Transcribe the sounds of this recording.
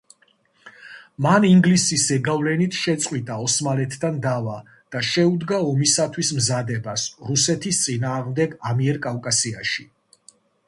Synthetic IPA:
maniŋɡlisisɛɡavlɛnit̪ʰʃɛt̪sʼqʼwit̪ʼaɔsmalɛt̪ʰd̪and̪ava | d̪̥aʃɛud̪ɡaɔmisat̪ʰwismzad̪ɛbasɾusɛt̪ʰist̪sʼinaːʁmd̪ɛɡamiɛɾkʼavkʼasiaʃi

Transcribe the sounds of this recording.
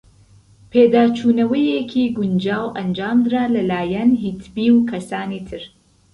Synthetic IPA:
pʰeːd̪aːt͡ʃʰuːnɐwɐjekʰiːɡʊnd͡ʒaːwʔɐnd͡ʒaːmd̪ɨɾaːlɐlaːjɐnɦit̪ʰbiːwkʰɐsaːniːt̪ʰɨɾ

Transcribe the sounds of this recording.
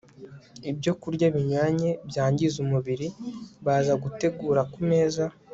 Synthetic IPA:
ibɟo̞kuɾɟaβiɲwaːɲe̞bjaːɲɟizumuβiɾiβaːzaɡute̞ɡuːɾakume̞ːza

